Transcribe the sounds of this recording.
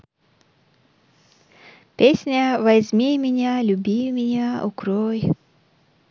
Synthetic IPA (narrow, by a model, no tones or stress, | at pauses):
pʲesʲnʲəvɐzʲmʲimʲɪnʲalʲʊbʲimʲɪnʲaʊ̰kɾoj